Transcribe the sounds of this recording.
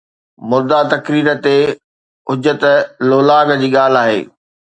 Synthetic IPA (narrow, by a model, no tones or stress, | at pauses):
mʊɾd̪at̪ɐkɾiːɾə̆t̪e | ʊd͡ʑət̪loːlaːɡd͡ʑiːɠaːl̤aːɦḛː